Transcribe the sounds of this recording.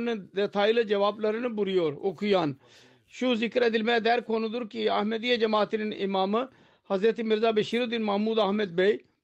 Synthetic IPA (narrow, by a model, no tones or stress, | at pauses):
nd̪eːt̪ʰaːild͡ʒɐʋaːblɐɾənbʊɾijoːɾoːkʰujaːn | ʃuzɪkɾɛːd̪ɪlmɛ̃ːd̪ɛːɾkʰoːnud̪ʊɾkiɐhmeːd̪ijed͡ʒɐmaːt̪ininɪmaːm | hɐzɾət̪imɪɾzaːbeʃiːɾud̪inmɐɦmuːd̪aːɦmeːd̪̚bei